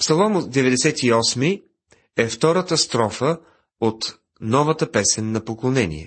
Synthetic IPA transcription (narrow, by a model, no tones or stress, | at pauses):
psɐlˠɔmʊd̪ɛvɛd̪ɛsɛt̪iɔsmi | ɛft̪ɔɾət̪əst̪ɾɔfə | ot̪ | nɔvət̪əpɛsɛnːɐpoklˠonɛnʲḭɛ̰